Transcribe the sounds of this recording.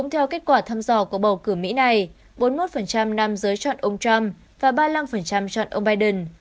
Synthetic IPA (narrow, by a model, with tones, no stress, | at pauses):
ʊ̰˧˥ŋ͡mt̪ʰɛ˧wke˦˥t̚kwaː˧˩t̪ʰaː˧mzɔ˧˩ku˧˩əɓə˨˩wkɨ˧˩mḭ˧˥na˨˩j | ɓo˨˦nmo˦˥t̚fə˨˩nt͡ɕa˧mna˧mzəː˨˦jt͡ɕɔ̰˧˨nʔə˧wŋ͡mt͡ɕa˧m | vaː˨˩ɓaː˧la˧mfə˨˩nt͡ɕa˧mt͡ɕɔ̰˧˨nʔə˧wŋ͡mɓaː˧jɗə˨˩n